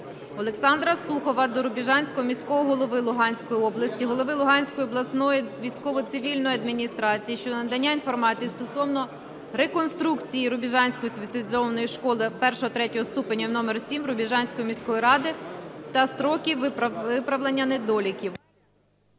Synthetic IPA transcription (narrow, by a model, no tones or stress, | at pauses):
ɔlˠeksɑnd̪ɾɐslˠuxɔʋɐd̪ɔɾʊbʲiʒɑnʲsʲkɔɦɔmʲisʲkɔɦɔɦɔlˠɔʋɪlˠʊɦɑnʲsʲkɔjiɔblˠɐsʲtʲiɦɔlˠɔʋɪlˠʊɦɑnʲsʲkɔjiɔblˠɐsnɔjiʋʲijsʲkɔʋɔt̪sɪʋʲilʲnɔjɐd̪̚mʲinʲist̪ɾɑt͡sʲijiʃt͡ʃɔnɐd̪ɐnʲːainfɔrmɑt͡sʲijist̪ɔsɔwnɔ | ɾekɔnst̪ɾukt͡sʲijiɾʊbʲiʒɑnʲsʲkɔjispʲet̪sʲɐlʲzɔʋnɔjiʃkɔlˠɪpɛrʃɔɦɔt̪ɾɛtʲɔɦɔst̪upenʲːɐwnɔmɛrsʲimɾʊbʲiʒɑnʲsʲkɔjimʲisʲkɔjiɾɑd̪ɪt̪ɐst̪ɾɔkʲiʋʋɪpɾɐʋlenʲːɐned̪ɔlʲikʲiw